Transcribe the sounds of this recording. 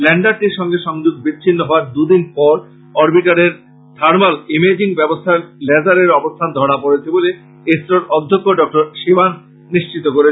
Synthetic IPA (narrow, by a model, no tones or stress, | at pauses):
lɛɳɖaɾʈiɾʃɔŋɡeʃɔŋd͡ʑuɡ̚bit͡ɕːʰinːoɦɔoaɾd̪ud̪inpɔɾ | ɔɾbiʈaɾeɾ | d̪̥ʰʱaɾmalimed͡ʑiŋbɛbost̪ʰaɾlɛd͡ʑaɾeɾɔbost̪ʰand̪ʱɔɽ̃apoɾet͡ɕʰebole | esɾoɾɔd̪ʱːokːoɖɔk̚ʈoɾʃibanː | iʃt͡ɕit̪okoɾe